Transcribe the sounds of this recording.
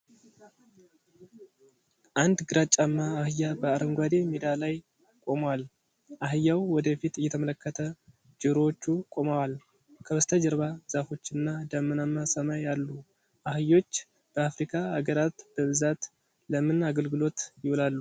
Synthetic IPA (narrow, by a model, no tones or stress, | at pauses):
ʔand̪ɡɨɾat͡ʃʼamːaːhɨjːabəaɾəŋɡʷad̪e̞mid̪alaj | kʼo̞məwal | ʔahɨjːawwɔd̪əfit̪ɨjːɛt̪ʰəmələkːət̪ʰə | d͡ʒɨɾo̞t͡ʃːukʼo̞məwal | kʰəwɨst̪ʰəd͡ʒəɾβaz̥afo̞t͡ʃːɨnːad̪amːɨnamːasamajalːu | ʔahɨjo̞t͡ʃː | b̥əafɾikʰʼaaɡəɾat̪b̥əmɨzat̪ | ləmɨnaɡəlɡɨlo̞t̪jɪhwlalːu